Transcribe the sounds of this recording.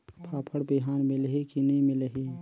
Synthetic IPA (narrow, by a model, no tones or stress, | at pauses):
pʰaːpʰəɽbiɦanmilɦikinimilɦi